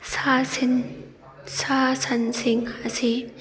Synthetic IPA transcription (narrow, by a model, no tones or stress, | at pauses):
sasn | sasɐnsɪŋəsi